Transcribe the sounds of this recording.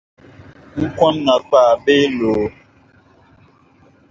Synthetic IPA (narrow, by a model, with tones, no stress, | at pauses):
ŋ̩˦kwɔ̃˦mŋa˨k͡pa˦˨be˦loː˨